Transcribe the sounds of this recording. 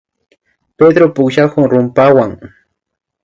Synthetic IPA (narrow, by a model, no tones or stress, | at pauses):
ped̪ɾopʊkʃakʊŋɾʊmpawaŋ